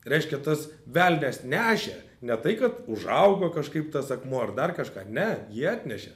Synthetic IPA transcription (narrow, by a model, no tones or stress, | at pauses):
ɾʲɛɪʃʲkʲɛt̪ɐsʋʲælʲnʲɛsnʲæːʃʲeː | nʲɛt̪ɐɪkɐt̪ʊʒɐʊɡoːkɐʃkɐɪpt̪ɐsɐkmoːɐrd̪ɐrkɐʃkɑːnʲɛjiɛɑːt̪ʲnʲɛʃʲɛ̰